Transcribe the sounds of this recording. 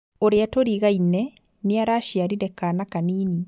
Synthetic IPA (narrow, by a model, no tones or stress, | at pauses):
oɾeatoɾiɣainɛ | neaɾaʃiaɾiɾɛkanakaniːni